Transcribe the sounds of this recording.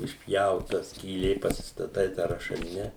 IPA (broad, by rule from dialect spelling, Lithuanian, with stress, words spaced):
ɪʃʲˈpʲjɛʊtɐ sʲkʲiːˈlʲeː pɐsʲɪstɐˈtɐɪ tɑː rɐʃɐˈlʲɪnʲɛ